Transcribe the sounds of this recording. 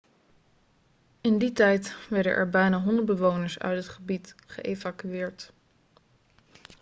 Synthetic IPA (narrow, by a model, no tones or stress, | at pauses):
ɪnditɛjtʋɛɹdə̰nʔɛ̰ɹbɛjnaːɦɔndəɹd̚bəʋownəɹsœ̰ɥtɦətχəbitχə̰ʔejvakyɪːɹt